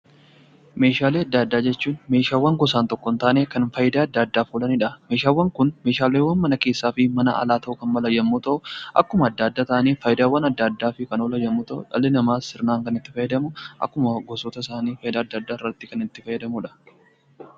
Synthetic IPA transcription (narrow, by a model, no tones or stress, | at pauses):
me̞ːʃaːleːɐd̪ːad̪ːaːd͡ʒɛt͡ʃːuːnme̞ːʃaːwːɐŋɡɔs̬aːnt̪ɔkːɔnt̪aːneːkɐnfɐjɪd̪aːɐd̪ːaːd̪ːaːfuːlɐnɪᶑɐmeːʃaːwːɐŋkʊnmeːʃaːleːwɐnmɐnɐke̞ːsːaːfɪmɐnɐ̰ɐ̰laːt̪ɐʔʊkɐnmɐlɐjːɐmːuːt̪ɐʔʊʔɐ̰kːʊmɐːd̪ːaːd̪ːaːt̪aʔɐniːfɐjɪd̪aːwːɐnɐd̪ːɐːd̪ːaːfɪkɐnolɐjɐmːuːt̪ɐʔʊ̰ᶑɐ̰lɛnɐmaːsɪɾnaːŋkɐnɪt̪ːɪfɐjɛd̪ɐmʊʔɐ̰kːʊmɐɡɔsɔt̪ɐɪsaːniːfɐjɪd̪aːɐd̪ːad̪ːaːɪrːɐt̪ːɪkɐnɪt̪ːɪfɐjɛd̪ɐmʊᶑɐ̥